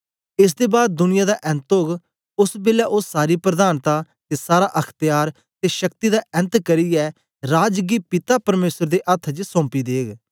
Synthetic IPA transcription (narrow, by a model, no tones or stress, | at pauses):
ɪs̬d̪eːbaːd̪̚d̪ʊnɪjaːd̪aʔɛ̃nt̪oːɡ | ʊsbeːljaːʔʊsːaːɾiːpɾəd̪aːnt̪aː | t̪esaːɾaːʔɐkʰt̪jaːɾ | t̪eːʃəkt̪iːd̪aːʔɛ̃nt̪kəɾiːɛː | ɾaːd͡ʒɡiːpɪt̪aːpəɾmeːsəɾd̪eːʔət̪ʰd͡ʒsɔ̃ːmpiːd̪eːɡ